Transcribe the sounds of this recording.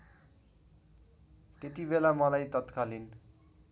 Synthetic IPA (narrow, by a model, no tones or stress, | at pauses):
t̪et̪ibelamʌlajt̪ʌt̪kalin